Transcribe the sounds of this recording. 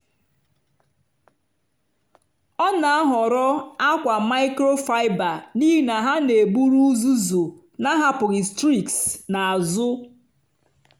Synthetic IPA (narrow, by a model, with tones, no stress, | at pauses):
ɔ˦na˨a˦ɦɔ˨ɾɔ˦a˦kʷa˨ma˦ɪ˦kɾo˦fa˦ɪ˦ba˨ni˦ɦi˦˨na˨ɦa˦ne˨bu˦ɾu˦zu˦zo˨ | na˦ɦa˦pʊ˨ɣɪ˨stɾi˦ksna˨a˨zʊ˦